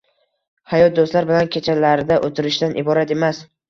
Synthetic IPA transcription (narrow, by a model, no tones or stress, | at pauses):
hajɒt̪̚d̪ost̪laɾbɪlankʲʰe̞t͡ʃʰalaɾɪd̪aʔot̪ʰɪɾɪʃd̪anʔɪbɒɾat̪e̞mas